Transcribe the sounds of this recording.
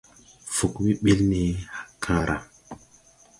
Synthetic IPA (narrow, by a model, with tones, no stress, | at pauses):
fu˨kmi˦ɓi˦lni˨ha˨kʰã˨ɾʔa̰˨